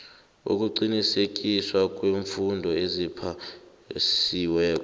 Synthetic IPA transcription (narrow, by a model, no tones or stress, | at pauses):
ṵk̬ʼuǃinisek̬iswak̬ʼweɱfundʱɔezipʰa | siwɛːk̬ʼɔ